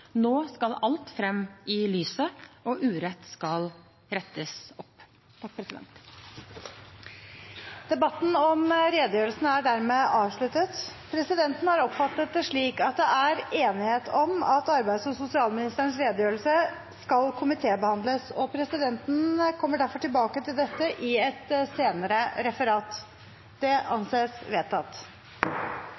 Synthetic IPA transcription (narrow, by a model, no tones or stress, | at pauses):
noːskɑlɑlt̪fɾɛmːɪlyːsəɔʔʉːɾɛt̪skɑl | ɾɛt̪ːəsɔpː | t̪ʰɑk̚ːpʰɾɛsɪd̪ɛ̰nt̪ | d̪ɛbɑt̪ːn̩ɔmɾeːd̪əjøːɾəlsənəæɖæɾmeːʔɑːʋʂɭʉt̪ət̪pʰɾɛsɪd̪ɛnt̪n̩hɑɾɔpfɑt̪ːət̪ʂɭiːkɑt̪̚d̪ɛʔæɾeːnɪheːt̪ʰɔmɑt̪ɑɾbæɪsɔsʊsɪɑːlmɪnɪst̪əəɳ̩sɾeːd̪əjøːɾlsə | skɑlkʰʊmɪt̪ʰeːbəhɑnd̪ləsɔpʰɾɛsɪd̪ɛnt̪n̩kʰɔmːəɖæɾfɔʈʰɪlbɑːkət̪ʰɪld̪ɛt̪ːəʔɪɛt̪seːnəɾəɾɛfəɾɑːt̪ | d̪̥ɛʔɑnseːsʋeːt̪ʰːɑt̪ː